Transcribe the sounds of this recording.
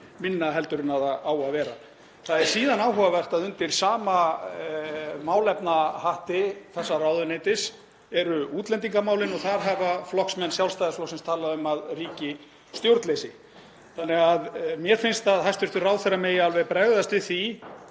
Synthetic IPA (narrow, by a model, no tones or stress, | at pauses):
mɪnːaɦɛlt̪ʏɾɪnaðaaːwaðvɛːɾa | θaðɛɾ̥siːðanaːwɦɔvavɛr̥t̪aðʏnt̪ɪɾ̥saːma | maːwlɛpnahaht̪ɪθɛsːarawðʏnejt̪ɪs | ɛɾʏuːt̪lɛnt̪̬iŋkamaːwlɪnɔɣθaɾɦavaflɔhksmɛnːsjawlst̪ajðasflowsɛnmst̪ʰaːlaðʏmaðriːcɪ | st̪jowɾt̪lejsɪ | θanːɛɣaðmjɛɾ̥fɪnst̪aðhajst̪ʏɾt̪ʏraːwðθɛrameːjaalvɛɣpɾɛɣðast̪vɪθi